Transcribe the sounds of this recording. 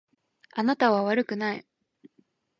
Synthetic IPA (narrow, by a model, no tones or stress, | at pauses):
anat̪aβaβaɾɯ̟kɯ̟nai